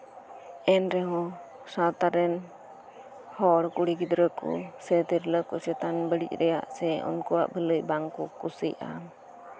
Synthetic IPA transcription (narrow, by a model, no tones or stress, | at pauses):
ɛnɾɛɦɔ̃ | sat̪aɾɛn | hɔɽkuɽiɡid̪ɾəkɔ̰sɛt̪iɾləkɔsɛt̪anbəɽḭc̚ˀɾɛja̰ʔsɛɔ̰nkɔwa̰ʔbələʔbaŋkɔkusḭja̰m